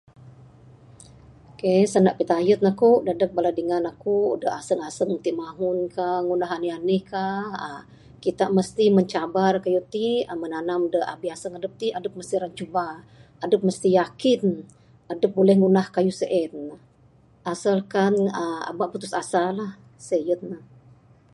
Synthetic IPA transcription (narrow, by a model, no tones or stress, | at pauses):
kesanaʔpit̪ajut̪̚nakuʔdadək̚baladəŋanakuṵdəʔasəŋasəŋmənt̪iʔmaŋunkaŋunaɦanianihkaə | kit̪aʔməst̪iməɲt͡ʃabarkajut̪iəmənanamdəha̰biasəŋadəp̚t̪iʔadəp̚məst̪iɾant͡ʃuba | adəp̚məst̪ijakɪn | adəp̚bolɛhŋunahkajusəʔɛt̪̚na | ʔasəlkanəa̰baʔput̪usasalah | səjət̪̚na